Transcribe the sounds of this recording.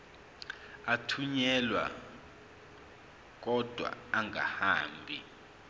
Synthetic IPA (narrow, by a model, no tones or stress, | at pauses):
atʰuɲɛlwa̰ | k̬ɔd̥ʱwa̰aŋa̰haːmbʱi